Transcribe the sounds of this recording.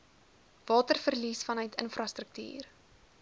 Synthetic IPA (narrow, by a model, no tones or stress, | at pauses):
vɑːtərfərlisfɐnœɥtʰənfrɐstrək̚ty̰ːr